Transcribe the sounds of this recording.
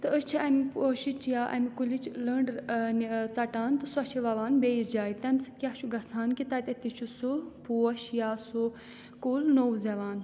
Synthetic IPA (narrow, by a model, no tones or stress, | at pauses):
t̪ɨəst͡ʃʰiɐmipoːʃit͡ʃjaːʔɐ̰mikulit͡ʃləɳɖnit͡sɐʈaːnt̪ɨsuɐt͡ʃʰiʋɐʋaːnbeːisd͡ʒaːjit̪ɐmʲsɨ̥kʲat͡ʃʰuɡɐsʰaːnkit̪ɐt̪ʲɐt̪it͡ʃʰusupuːɐʃjaːsu | kuːlnowzɐʋaːn